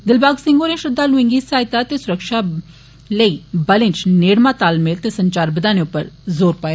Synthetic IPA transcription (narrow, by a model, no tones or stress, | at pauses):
d̪ɪlbaːɡsɪ̃ŋɡoːnẽːʃɾɪd̪ːaːlʊɪ̃ŋɡiːsaːɪt̪aːt̪eːsʊɾəkʃaː | ləiːbəlɪ̃ɲt͡ʃneːɽmãːt̪aːlmɪlt̪eːsəɲt͡ʃaːɾbəd̪aːneːʊpːəɾzoːɾpaːje